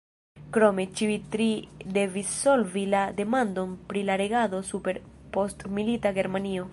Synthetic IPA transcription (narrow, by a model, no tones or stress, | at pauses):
kɾo̞me̞t͡ʃiitɾide̞visːo̞lvilade̞mando̞npɾilaɾe̞ɡado̞supe̞ɾpo̞stmilitaɡe̞ɾmanio̞